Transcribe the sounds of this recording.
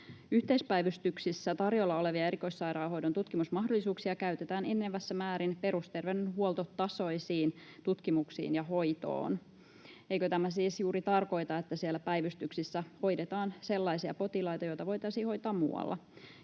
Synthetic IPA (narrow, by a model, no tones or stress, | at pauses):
yht̪eispæjʋyst̪yksisːæt̪ɑrjolːɑo̞leʋiɑe̞ɾiko̞issɑjɾɑːɦo̞jdont̪ut̪kimusmɑɦdolːˑisuːksiɑkæyɥt̪et̪æːnenːeʋːæsːæmæːɾinpe̞ɾust̪e̞rʋewnenɦuolˠt̪ot̪ɑso̞isiːnt̪ut̪kimuksḭːnjɑɦo̞jt̪o̰ːn | ejkøt̪æmæsiːsjuːɾit̪ɑrko̞jt̪ɑet̪ːæsielːæpæjʋyst̪yksisːæho̞jdet̪ɑːnse̞lːɑjsiɑpo̞t̪ilɑjt̪ɑjojt̪ɑʋo̞jt̪ɑisiːho̞jt̪ɑːmmːṵːɑ̰lːʔɑ̰